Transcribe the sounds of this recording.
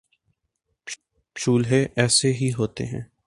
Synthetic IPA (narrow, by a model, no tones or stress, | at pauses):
pʃuːlɦeʔɛːseɦiɦoːt̪ḛɦɛ̰̃ː